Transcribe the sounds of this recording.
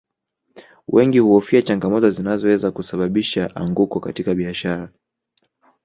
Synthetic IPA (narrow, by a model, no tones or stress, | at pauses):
wʔɛŋɡihuɔfiat͡ʃaŋɡamɔtɔzinazɔwɛzakusaɓaɓiʃaʔa̰ŋɡukɔkatikaɓiaʃaɾa